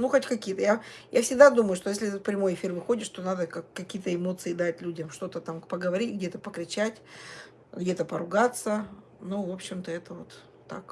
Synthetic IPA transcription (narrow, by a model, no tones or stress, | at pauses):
nuxotʲkɐkʲijət̪əjajʔafsʲɪɡ̚d̪ad̪uməjʊʂt̪ojes̬ʲlʲɪɛt̪ət̪̚pɾʲɪmo̞jɪfʲirvɨxo̞dʲɪʂt̪o̞nad̪əkakːɐkʲijət̪əɪmo̞t̪sɨɪd̪atʲlʲudʲəmʂt̪o̞t̪ət̪ampəɡəvɐɾʲitʲɡ̚dʲe̞t̪əpəkɾʲɪt͡ɕætʲ | ɡdʲet̪əpəɾʊɡat̪sə | nuvo̞pɕːɪmt̪əɛt̪əvot̪ː | a̰k